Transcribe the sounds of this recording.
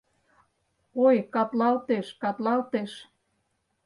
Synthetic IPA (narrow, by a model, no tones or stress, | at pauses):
ojkɑt̪lɑlt̪eʃkɑt̪lɑlt̪eʃ